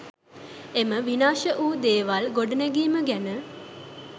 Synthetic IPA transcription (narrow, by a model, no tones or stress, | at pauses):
eməʋinaːʃəʔuːd̪eːʋalɡoɖənæɡiːməɡænə